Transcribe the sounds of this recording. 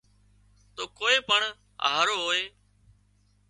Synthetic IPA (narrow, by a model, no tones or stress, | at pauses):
t̪oːkoːeːpəɳ | ɦaːɾoːɦoːeː